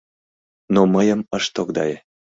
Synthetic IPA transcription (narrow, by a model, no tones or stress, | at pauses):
noməjə̆məʃt̪okd̪ɑje